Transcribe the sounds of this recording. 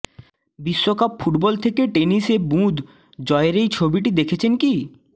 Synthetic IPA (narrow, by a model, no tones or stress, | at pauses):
biʃːokapfuʈbɔlt̪ʰekeʈeniseɾbũd̪ | d͡ʑɔeɾejt͡ɕʰobiʈid̪ekʰet͡ɕʰenki